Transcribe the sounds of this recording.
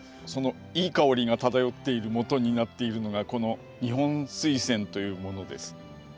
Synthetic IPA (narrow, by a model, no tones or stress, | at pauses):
so̞no̞ | iːkao̞ɾʲiɡat̪at̪ajo̞t̪ːe̞iɾɯ̟mo̞t̪o̞ɲ̟inat̪ːe̞iɾɯ̟no̞ɡako̞no̞ | ɲ̟iɦõ̞ñsɨisẽ̞nt̪o̞jɯ̟ːmo̞no̞d̪e̞̰sɨ̥